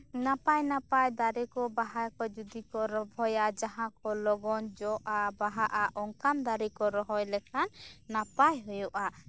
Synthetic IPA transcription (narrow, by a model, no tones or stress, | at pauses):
napajnapajd̪aɾɛkɔbaɦajkɔd͡ʒud̪ikɔɾɔbʱɔjad͡ʒaɦãkɔlɔɡɔnd͡ʒɔʔabaɦaʔaʔɔŋkand̪aɾikɔɾɔɦɔjlɛkʰanːapajɦɔjɔʔa